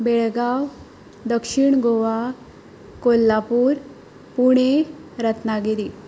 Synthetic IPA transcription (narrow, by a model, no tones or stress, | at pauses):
beɭɡaw | d̪əkʂiɳɡoʋa | kolːapuːɾ | puɽ̃eɾət̪naɡed̪i